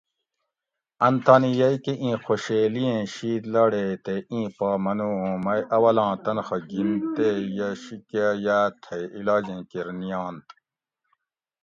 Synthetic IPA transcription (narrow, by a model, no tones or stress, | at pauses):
ɐnt̪ʰaːnijɐjkeʔĩːxoɕeːlijẽːɕiːd̪laːɽeːt̪eʔĩːpɑːmɐnuːɦũmɐjʔɐwɐlɑ̃ːt̪ɐnxɐɡint̪ejɐɕikajaːt̪ʰɐjilɑːd͡ʑẽːkiɾnijɑ̃ːnt̪